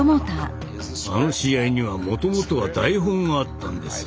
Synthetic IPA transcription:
mot̪a | ano̞ɕijaiɲ̟iβamo̞t̪o̞mo̞t̪o̞βad̪aiɦõ̞ŋɡaːt̪ːã̰nd̪e̞sɨ̥

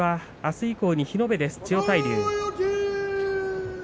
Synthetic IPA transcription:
a | asɨiko̞ːɲ̟içino̞be̞d̪e̞sɨ̥t͡ɕio̞saiɾʲɯ̰ː

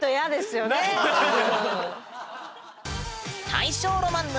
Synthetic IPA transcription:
t̪ojad̪e̞sɨjone | t̪ʰa̰iɕo̞ːɾomãnː

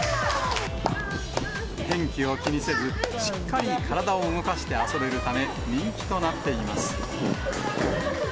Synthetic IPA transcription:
hẽ̞ŋkʲio̞kʲiɲ̟ise̞zɨɕi̥kːaɾʲikʰaɾad̪ao̞ɯŋo̞kaɕi̥t̪e̞aso̞be̞ɾɯ̟t̪ame̞ | ɲʲĩŋkʲi̥t̪o̞nat̪ːe̞ima̰sɨ̥

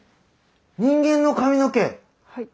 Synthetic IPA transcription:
ɲ̟ĩŋɡẽ̞nːo̞kamʲino̞ke

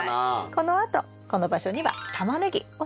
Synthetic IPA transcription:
ko̞no̞at̪o̞̰ | ko̞no̞baɕo̞ɲ̟iβa̰t̪ʰamanɯɡʲio

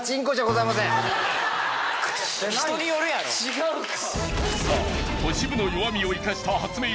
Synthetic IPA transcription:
t͡ɕĩŋkoɕaɡozaimasẽ | oɲijoɾɯjat͡ɕiɡaɯ | sa̰ | oɕibɯnojoamʲioikaɕi̥t̪ʰaɦat͡sɨme

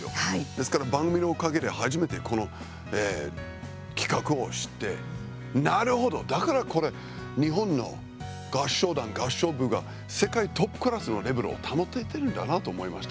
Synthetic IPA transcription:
jo̰d̪̥e̞sɨ̥kaɾabãŋɡɯmʲinoːkaɡe̞ɾehaʑime̞t̪e̞ko̞no̞ | eː | kʲi̥kakɯ̟o̞ɕi̥t̪ːe̞̰ | naɾɯ̟ho̞d̪o̞d̪akaɾako̞ɾe̞ | ɲ̟iɦõ̞nːo̞̰ | ɡ̥aɕːo̞ːd̪ãŋɡaɕːo̞ːbɯ̟ɡa | se̞kait̪o̞pːɯ̥kɯ̟ɾasɨno̞ɾe̞beɾɯ̰o̰t̪ʰano̞t̪ːeit̪e̞ɾɯ̟nd̪a̰nat̪o̞ːmo̞imaɕi̥t̪a

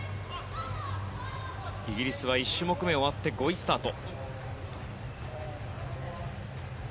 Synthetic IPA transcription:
iɡʲiɾʲisɨβaiɕːɨmo̞kɯ̟me̞o̞βat̪ːe̞ɡo̞isɨ̥t̪aːt̪o̞

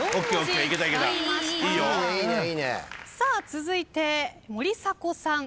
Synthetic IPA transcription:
okʲːeoːeiket̪aike̞t̪aiːjoineiːneiːnḛsaːt͡sɨzɨit̪e̞moɾʲisako̞sãŋ

